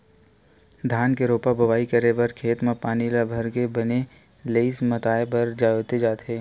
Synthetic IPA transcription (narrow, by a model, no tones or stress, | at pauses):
d̪ʱaːnkeɾoːpabʱɐʋaːikɐɾeʋɐɾkʰeːt̪mãpaːnilabʱɐɾkebɐne | leismɐt̪aːebɐɾd͡ʒaːot̪ed͡ʒaːt̪ɦeː